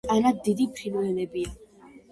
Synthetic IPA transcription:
anad̪ːid̪ipʰɾinwɛlɛbia

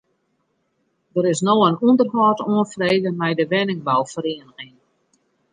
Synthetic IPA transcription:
dəɾɪsnowənundərɦɔːtoənfreːdəmɛjdəʋɛnɪŋbawfəɾeənəɣɪŋ

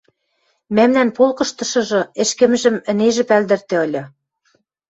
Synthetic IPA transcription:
mæmnænpolˠkɤ̆ʃt̪ɤ̆ʃɤ̆ʒɤ̆ɘ̆ʃkɘ̆mʒɘ̆mɘ̆neʒɘ̆pæld̪ɘ̆rt̪ĕɤ̆lʲɤ̆

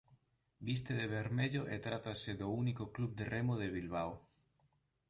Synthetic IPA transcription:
bis̬t̪eðeβeɾmeʎoʔet̪ɾat̪aseðounikoklub̚d̪eremoðeβilβ̞aw

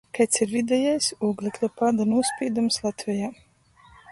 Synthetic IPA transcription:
kajt̪siɾvid̪ʲɛjajsuːɡlˠɛklʲɔpad̪anuɔspʲiːd̪umslˠat̪ʲvʲɛjaː

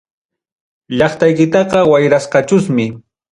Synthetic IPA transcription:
ʎɑχt̪ajkɪt̪ɑqɑwajɾasqɑt͡ʃʊsmɪ

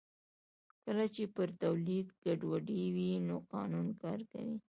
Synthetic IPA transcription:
kəlat͡ʃepəɾt̪awlid̪ɡaɖwaɖiwinoqɑnunkɑɾka̰wi

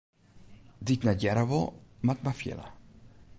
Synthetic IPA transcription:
ditnajaɾavɔ̰mat̪mafjɛ̰la̰

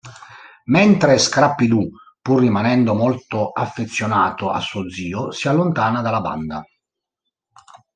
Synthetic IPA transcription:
mɛnt̪ɾeskɾapːid̪u | purːimanɛnd̪omɔlt̪oʔafːet̪sːjonaːt̪oa̰sːuod̪ziːosialːont̪aːnad̪alːaba̰nd̪a

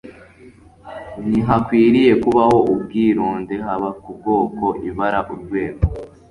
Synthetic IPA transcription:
niɦakwiːɾije̞kuβaho̞ʔubɡiːɾoːnde̞ɦaβakubɡo̞ːko̞ʔiβaɾaʔuɾɡwe̞ːɡo

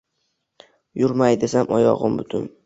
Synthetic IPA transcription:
jʊɾmajd̪e̞samʔɒjɒ̰ʁɨmbʊt̪ʰʊn

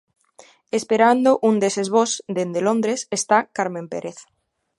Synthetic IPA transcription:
espeɾand̪oʔund̪esezβosd̪end̪elõnd̪ɾesest̪akaɾmẽmpeɾeθ

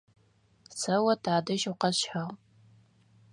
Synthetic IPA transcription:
sɐwɐtʰaːdɐʃʊqɐɕħaʁ

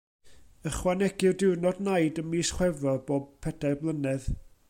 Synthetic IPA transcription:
əχwanɛɡɪrdɪwrnɔdnajdənmiːsχwɛvrɔboːb̚pʰɛd̥ablˠənɛð

